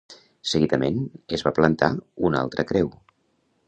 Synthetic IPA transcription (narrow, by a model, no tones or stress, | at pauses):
səɣiðəmenəzβaplənt̪a̰una̰lˠt̪ɾəkɾɛw